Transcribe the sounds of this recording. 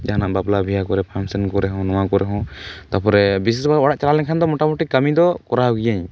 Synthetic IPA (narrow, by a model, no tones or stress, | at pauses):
d͡ʒaɦanaʔbablabʱijakɔɾɛpʰamsɛnkɔɾɛɦɔ̃nɔ̃wakɔɾʔɛɦɔ̃t̪apɔɾɛbis̬isbaɔɽaʔt͡ʃalalɛkʰand̪ɔmɔʈamɔʈikamid̪ɔkɔɾaɡijaɲ